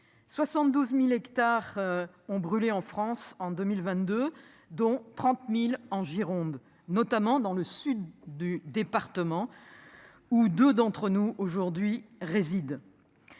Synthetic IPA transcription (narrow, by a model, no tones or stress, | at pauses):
swasɑ̃t̪̚d̪uzmilɛkt̪aʁ | ɔ̃bʁyleɑ̃fχɑ̃sɑ̃d̪ømilvɛ̃t̪̚d̪ø | d̪ɔ̃t̪χɑ̃t̪milɑ̃ʒiʁɔ̃d̪ | nɔt̪amɑ̃d̪ɑ̃ləsyd̪ːyd̪epaʁt̪əmɑ̃ | ud̪ød̪ɑ̃t̪χənuoʒuʁd̪ɥiʁezid̪